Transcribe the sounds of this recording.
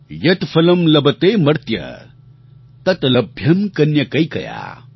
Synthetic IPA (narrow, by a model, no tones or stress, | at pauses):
jɐt̪pʰɐlɐmlɐbɐt̪emɐɾt̪jɐ̰ | t̪ɐt̪ɐlɐbʱjɐmkɐnjɐkɐjkɐ̰ja̰